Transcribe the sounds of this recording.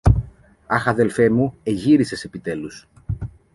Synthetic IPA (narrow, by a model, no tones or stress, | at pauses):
ɐxɐðe̞lfe̞mue̞ʝiɾise̞se̞pit̪e̞lus